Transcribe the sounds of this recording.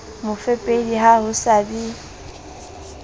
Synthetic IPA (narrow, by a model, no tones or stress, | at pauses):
mʊfepʼediɦahʊsabi